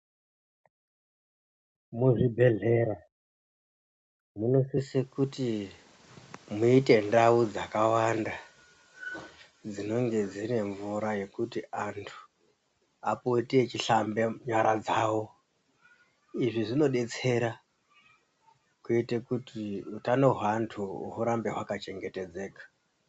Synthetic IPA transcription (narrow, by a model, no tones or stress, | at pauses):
muʐibʱe̞ɮe̞ɾa | muno̞sisikuti | muite̞ndaud͡zakawanda | d͡zino̞ŋɡe̞d͡zine̞ɱvuɾaje̞kutiantʰu̥ | apotiet͡ʃiɬambeɲaɾad͡zawo̞ | iʐiʐino̞ɗe̞t͡se̞ɾa | kuitekutiutanoɦwantʰṵɦuɾambe̞ɦwakat͡ʃe̞ŋɡe̞te̞d͡ze̞ːkḁ